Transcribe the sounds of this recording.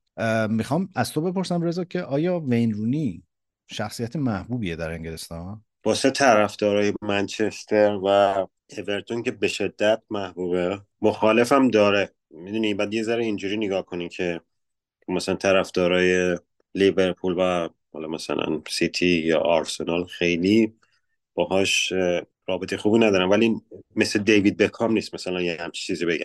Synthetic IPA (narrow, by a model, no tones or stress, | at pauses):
mixɒːmæz̥t̪o̞be̞po̞ɾsæmre̞zɒːcʰe̞ʔɒːjɒːve̞jnruːni | ʃæxsijæt̪ʰemæhbuːbijed̪æɾe̞ŋɟelest̪ɒːn | b̥ɒːset̪ʰæɾæfd̪̥ɒːɾɒːjemænt͡ʃʰest̪ʰe̞ɾvæ | eve̞ɾt̪ʰoncʰe̞be̞ʃe̞d̪ːæt̪̚mæhbuːbe | moxɒːle̞fæmd̪ɒːɾe | mid̪unibæːd̪je̞zæɾeind͡ʒuːɾiːneɡɒːhkʰonimcʰe̞ | mæsælænt̪ʰæɾæfd̪̥ɒːɾɒːje | live̞ɾpʰuːlvæ | hɒ̰lɒmæsæ̰læ̰nsit̪ʰijɒ̰ːʔːɾse̞nɒlxejli | b̥ɒːɦɒːʃ | ɾɒːbe̞t̪ʰe̞jexuːbinæd̪ɒːɾænvælinmesled̪ejvid̪̚be̞kʰɒmniːst̪mæsælænjehæmt͡ʃʰi̥t͡ʃʰiːzibe̞ɡɟæ̰m